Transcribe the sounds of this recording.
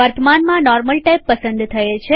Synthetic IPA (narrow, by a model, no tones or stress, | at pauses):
ʋəɾt̪əmanmãnɔɾməlʈajpːəsə̃nd̪t̪ʰəet͡ʃʰe